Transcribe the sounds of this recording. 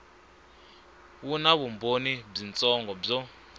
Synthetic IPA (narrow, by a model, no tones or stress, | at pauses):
βunaβumbonib͡ʐint͡sʼɔŋɡɔb͡ʐɔ